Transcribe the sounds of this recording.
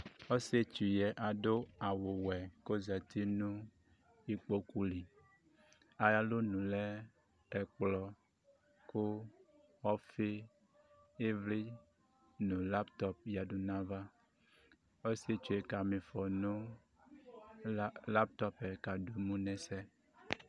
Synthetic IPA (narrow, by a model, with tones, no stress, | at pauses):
o˦se˦t͡ʃu˨jɛ˨ʔa˨ɖo˦a˨wo˨wɛ˨ko˦zɛ˨t̪i˦nũ˦ | i˦k͡po˦ku˦li˨ | a˨ja˦lo˦nũ˨lɛ˦ | ɛ˨k͡plɔ˨ | ko˦ | ɔ˦fe˦ | e˦vli˦ | nũ˨la˦pt̪ɔ˦p̚ja˨du˨nã˦va˦ | o˦si˦e˦t͡ʃu˨e˨ka˨mĩ˨fɔ˨nũ˦ | la˦p̚t̪ɔ˦pɛ˨ka˨ɖu˨mũ˦nɛ̃˨sɛ˦